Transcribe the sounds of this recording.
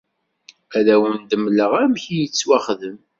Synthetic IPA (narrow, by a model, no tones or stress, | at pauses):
æðæwənd̪əmləʁæmçijət͡sːwæχðəm